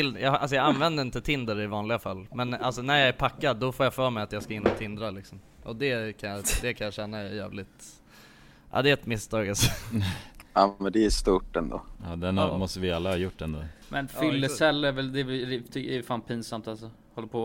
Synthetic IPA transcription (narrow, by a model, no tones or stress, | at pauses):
ɪljɑːa̰ls̬ɔjɑːɡanvɛnd̪əɾɪnt̪ət̪ʰɪnd̪əɾɪvɑːnlɪɡafalːmɛnalsɔnæɾjɑːɡæpʰakːad̪ːɔfoːjafœːɾmɛjat̪jɑːɡskaɪnːɔt̪ʰɪnd̪ɾalɪksɔm | ʔɔ̰d̪ɛkʰanjɑd̪ɛkʰanjɑʂɛnːaɛjæ̰ːvlɪt̪ | ʔɑ̰d̪ɛɛt̪mɪst̪ʰɑːɡalsɔnɑːmɛnd̪ɛːʂt̪uʈɛnd̪o̰ːɑːd̪ɛnamɔst̪əvɪalːahɑːjʊʈːɛnd̪o̰ːmʔɛnfʏlːəsɛlːəvɛld̪ɛt̪ʰʏɛfaːnpʰiːnsamt̪alsɔ | hɔlːəɾpʰɔ